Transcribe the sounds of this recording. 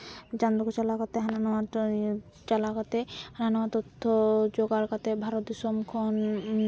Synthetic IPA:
t͡ʃand̪okot͡ʃalakat̪eɦananoa | t͡ʃalakat̪ehananɔat̪ɔt̪ʰːod͡ʒoɡaɾkat̪ebʱaɾɔt̪isɔmkʰon

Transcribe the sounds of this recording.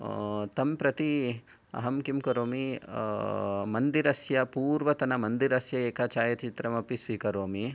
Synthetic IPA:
t̪ɐmpɾɐt̪i | ɐ̰ɦɐmkimkɐɾoːmi | mɐnd̪iɾɐsjɐpuːɾʋɐt̪ɐnɐmɐnd̪iɾɐsjɐeːkaːt͡ʃaːjɐt̪t͡ʃit̪ɾɐmɐpisʋiːkɐɾoːmi

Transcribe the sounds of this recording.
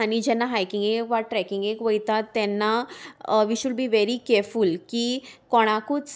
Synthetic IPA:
anid͡ʑɛnːaɦajkĩŋɡekʋaʈɾɛkĩŋɡekʋəjt̪at̪ːɛnːa | ʋiɕuɖbiːʋeɾikɛɾfulkikɔɽ̃akus

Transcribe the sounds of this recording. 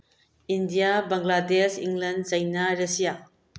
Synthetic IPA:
indijabaŋladesiŋlɐnsɐjnaɾɐsija

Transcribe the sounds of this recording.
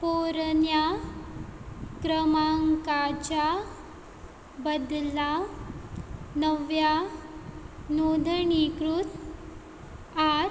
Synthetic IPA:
poɾnja | kɾəmaŋkat͡ɕa | bəd̪la | nəʋja | nod̪ʱəɳikɾut̪ | aɾ

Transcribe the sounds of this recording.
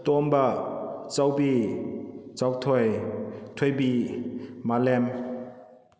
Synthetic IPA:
tɔmbat͡ʃawbi | t͡sawtʰɔjtʰojbi | malɛm

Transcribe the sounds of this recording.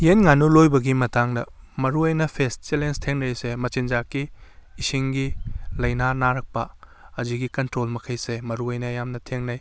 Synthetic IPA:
jenŋanulojbɐɡimɐtaŋdɐ̰ | mɐɾuɐjnɐpʰest̚t͡ʃelenstʰeŋnɐjsemɐt͡ʃind͡ʒakːiːsiŋɡilɐjnanaɾɐk̚pɐɐziɡikɐntɾolmɐkʰɐjsemɐɾuɐjnɐːjamnɐtʰeŋnɐj

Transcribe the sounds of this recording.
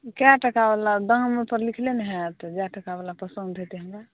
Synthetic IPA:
kaʈəkabelad̪ə̃ŋɡmepəɾlikʰleneɦɛt̪d͡ʒaʈəkaβalapəsənd̪ʱet̪eɦə̃ŋɡa

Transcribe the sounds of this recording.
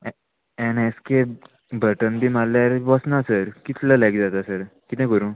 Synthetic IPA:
ɛneske | bəʈənb̪ʱiːmalːjaɾʋɔsnasəɾkit̪lalajkd͡zat̪asəɾkit̪ẽkəɾũː

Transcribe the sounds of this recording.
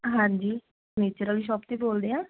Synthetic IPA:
ɦãːɲd͡ʒiː | neːt͡ʃəɾəliʃ̬ɔːpt̪eːboːld̪eːãː

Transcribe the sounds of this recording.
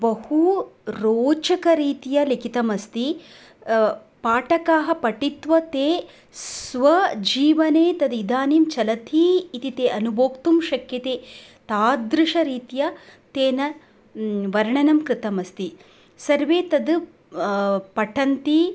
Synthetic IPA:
bɐhuɾoːt͡ʃɐkɐɾiːt̪ijɐlikit̪ɐmɐst̪i | paːʈɐkaːɦɐ̆pɐʈit̪ʋɐt̪eː | sʋɐd͡ʒiːʋɐneːt̪ɐd̪id̪aːniːmt͡ʃɐlɐt̪ʰiːt̪it̪eːʔɐnuboːkt̪umʃɐkjɐt̪eːt̪aːd̪ɾɨʂɐɾiːt̪ijɐt̪eːnɐ | ʋɐɾɳɐnɐmkɾɪt̪ɐmɐst̪i | sɐɾʋeːt̪ɐd̪ | pɐʈʰɐnt̪i

